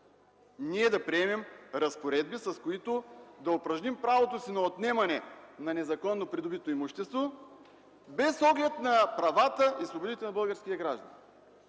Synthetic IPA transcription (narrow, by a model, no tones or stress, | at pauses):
niɛd̪ɐpɾiɛmɛmɾɐspoɾɛd̪̚bisɐskoit̪od̪ɐopɾɐʒnimpɾavot̪osinɐot̪nɛmɐnɛnɐnɛzɐkɔnːopɾid̪obit̪oimuʃt̪ɛst̪vo | bɛsɔɡlɛt̪nɐpɾɐvat̪əʔislˠobod̪it̪ɛnɐbɤlˠɡəɾsk̟ʲiɐɡɾaʒd̪ɐ̰n